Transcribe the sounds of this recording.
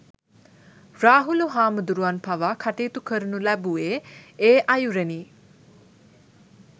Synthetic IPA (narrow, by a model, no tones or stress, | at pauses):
raːɦuluɦaːməd̪uɾuʋanpʰaʋakʰaʈiːt̪ukʰəɾunulæbueːeːʔɐjuɾeni